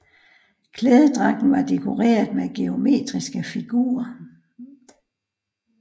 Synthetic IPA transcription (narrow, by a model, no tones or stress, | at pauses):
kʰleːð̞ˠəd̥ʁɑ̈ɡ̥n̩ʋɑ̈d̥e̝kʰo̝ʁḛːɐð̩ˠmeɡ̥e̝o̝me̝̰ːd̥ʁisɡ̥əfiɡ̥ṵːɐ